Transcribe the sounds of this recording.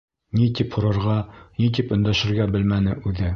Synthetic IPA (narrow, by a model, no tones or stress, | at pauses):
nit̪iphŏɾɤ̆ɾʁɑnit̪̬ipɵ̆nd̪æʃɘ̆ɾɡæbɘlmænɘʔʉðɘ